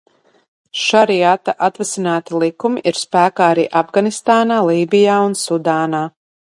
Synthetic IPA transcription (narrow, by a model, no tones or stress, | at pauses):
ʃaɾiat̪aʔat̪vɛsinaːt̪ilˠikumiʔiɾspæːkaːaɾḭːʔavɡanist̪aːnaːlˠiːbijaːunsud̪aːnaː